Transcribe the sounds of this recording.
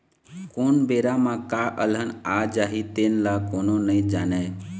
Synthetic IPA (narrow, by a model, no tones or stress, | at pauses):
koːnbeːɾamãkaːʔələɳad͡ʒaːɦit̪eːnlakoːnonəid͡ʒaːnaj